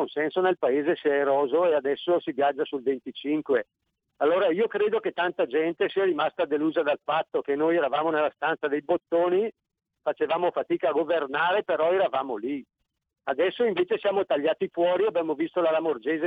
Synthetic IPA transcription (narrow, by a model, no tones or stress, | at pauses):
onsɛnsonelpaeːzesiɛɾɔːzoead̪ɛsːosivjad͡ʒːasulvent̪it͡ʃiŋkwe | alːoːɾaiːokɾeːd̪oket̪ːant̪ad͡ʒɛnt̪esiːaɾimast̪ad̪eluːzad̪alfat̪ːokenojɛːɾavaːmonelːast̪ansad̪ejbot̪ːoːni | fat͡ʃevaːmofat̪iːkaːɡovernaːɾepeɾɔɛːɾavaːmoli | ad̪ɛsːoiɱveːt͡ʃesjaːmot̪aʎːaːt̪ifwɔːɾiabjaːmovist̪olalamord͡ʒeːze